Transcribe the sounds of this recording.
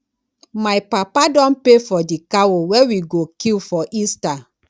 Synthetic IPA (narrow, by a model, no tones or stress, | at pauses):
majpapadɔ̃npefɔdikawowewiɡokilfɔʔista